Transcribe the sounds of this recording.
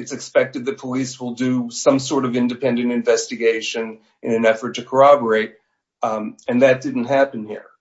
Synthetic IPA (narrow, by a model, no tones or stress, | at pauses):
ɨtsɨkspɛk̚tɨd̪̚ðɨt̚pʰəliswəlˠdɨsʌ̃msɔɹɾʌvɪ̃ndɨpʰɛ̃ndɨ̃ntɨ̃ɱvɛstɨɡeɪʃɨ̃n | ɨ̃nɨ̃nɛfə˞tʰɨkʰə˞ɑbə˞eɪɾ | ɨ̃nðɨt̚d̥ɪdⁿn̩t̚ɦæpɨ̃n̩hḭɹ